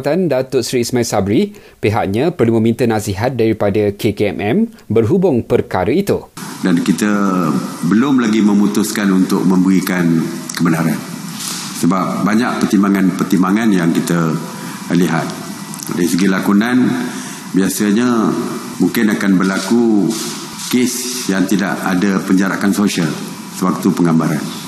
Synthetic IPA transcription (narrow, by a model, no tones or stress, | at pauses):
t̪andat̪ʊsɾiːsmailsabɾi | peɦaʔɲãpərlumə̃mint̪ənãsiɦat̪̚daɾipadəkekeɛ̰mʔɛm | bərɦubʊŋpərkaɾəit̪udankit̪ə | bəlʊmlaɡimə̃mut̪ʊskanunt̪ʊk̚mə̃mbəɣikan | kəbənaɾan | səbap̚baɲaʔ̚pərt̪imbaŋanpərt̪imbaŋanjaŋkit̪ə | liɦa̰t̪̚ | ɾasəɡilakunan | biasəɲa | muŋkɪnakanbərlaku | kesjaŋt̪ida̰ʔadəpəɲd͡ʒaɾa̰ʔansosial | səwak̚t̪upəŋambaɾan